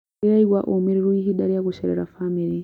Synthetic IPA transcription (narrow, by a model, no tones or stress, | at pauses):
ijaiɣwaʔomiɾiɾwiɦidaɾijakuʃeɾḛɾafamiɾi